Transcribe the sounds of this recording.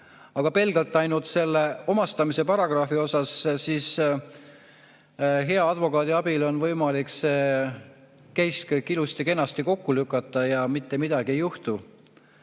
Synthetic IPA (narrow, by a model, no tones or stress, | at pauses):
ɑɡ̥ɑpe̞lɡ̥ɑlt̪ːˑɑjnult̪se̞lːe̞o̞mɑst̪ɑmise̞pɑɾɑɡ̥rɑfio̞sɑssiːs | ɦe̞ɑɑd̪vo̞kɑːd̪iɑb̥ilo̞nvɤjmɑlikse | kejskkːilust̪ike̞nːɑst̪iko̞kːulykːˑɑt̪ːˑɑjɑmit̪ːemid̪̥ɑɡ̥ie̞juht̪u